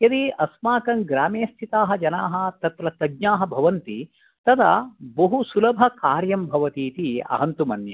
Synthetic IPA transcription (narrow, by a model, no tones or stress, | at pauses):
jɐd̪iʔɐsmaːkɐŋɡɾaːmeːst̪ʰit̪aːɦɐd͡ʒɐnaːɦɐ̆t̪ɐt̪ɾɐt̪ɐɡɲaːɦɐ̆bʱɐʋɐnt̪i | t̪ɐt̪ʰɐ̰bɐɦusulɐbʱɐkaːɾjɐmbʱɐʋɐt̪iːt̪iɐ̰ɦɐnt̪umɐnjɐ̰